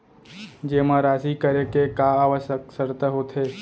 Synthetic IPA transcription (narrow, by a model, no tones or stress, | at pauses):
d͡ʒeːmãɾaːsikəɾekekaːʋəʃəksəɾt̪aɦoːt̪ʰeː